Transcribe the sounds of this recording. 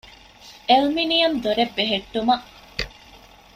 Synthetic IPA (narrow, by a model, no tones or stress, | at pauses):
elminijɐnd̪oɾebːeɦeʈːumɐʔ